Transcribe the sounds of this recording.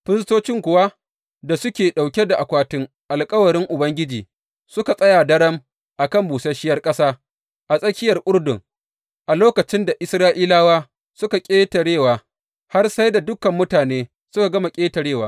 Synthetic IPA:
ɸɪ˦stoː˦t͡ʃɪ˦ŋkʷʊ˨wa˦ | da˨sʊ˦kʲeː˨ɗa˨wkʲe˦da˨ʔa˨kʷaː˦tʊ˦ŋ | ʔa˨lkʼɐ˦wɐ˨ɽɪ˦ŋʔʊ˨bɐ˦ŋɡʲɪ˦d͡ʒiː˨ | sʊ˦ka˨sʼɐ˦ja˨dɐ˦ɽɐ˦m | ʔa˨kɐ˦˨mbuː˨sɐ˦ʃɪ˦jɐ˦rkʼɐ˦saː˦ | ʔa˨sʼɐ˦kʲɪ˦jɐ˨rʔʷʼʊ˦ɽdʊ˨ŋ | ʔa˨loː˦kɐ˨t͡ʃɪ˦nda˨ʔɪ˦sɾaː˦ʔiː˦laː˦waː˦ | sʊ˦ka˨kʲʼeː˦tɐ˨ɽeː˦˨waː˨ | ha˦rsa˦jda˨dʊ˦kɐ˨mːʊ˦taː˨neː˦ | sʊ˦ka˨ɡɐ˦ma˨kʲʼeː˦tɐ˨ɽeː˦˨waː˦

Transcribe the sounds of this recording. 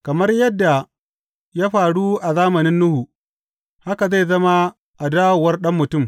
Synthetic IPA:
kɐ˨mɐ˦rjɐ˦dːa˨ | jaː˦ɸaː˨ɽu˦ʔa˨zaː˦mɐ˨nɪ˦nːʊ˦hu˨ | ha˦ka˨ze˦˨zɐ˦ma˦ | ʔa˨daː˦wo˨wɐ˦rɗɐ˦mːʊ˨tʊ˦˨m

